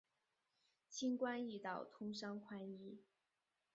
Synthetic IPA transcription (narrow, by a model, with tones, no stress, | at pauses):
ɕʰi˥nkwa˥ni˥˩t̪ɑ˥˩ʊt̪ʰʊ˥ŋʂɑ˥ŋkʰwa˥ni˥